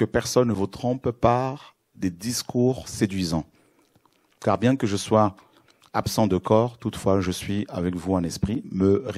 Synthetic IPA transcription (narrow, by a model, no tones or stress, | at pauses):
kəpɛʁsɔnːəvut̪χɔ̃ppaʁ | d̪ed̪iskuʁsed̪ɥizɑ̃ | kaʁbjɛ̃kəʒəswa | apsɑ̃d̪əkɔʁt̪ut̪fwaʒəsɥia̰vɛkvuɑ̃nɛspχiməʁ